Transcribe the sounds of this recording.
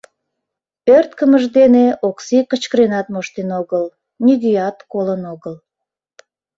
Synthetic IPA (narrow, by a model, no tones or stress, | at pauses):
ørt̪̚kəməʒd̪eneʔoksikət͡ɕkəɾenɑt̪̚moʃt̪enoɣəl | nʲiɡ̪ijɑt̪kolənoɣəl